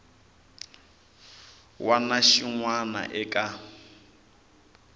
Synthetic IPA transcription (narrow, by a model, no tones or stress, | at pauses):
wanaʃiŋwana̰ʔɛkʼa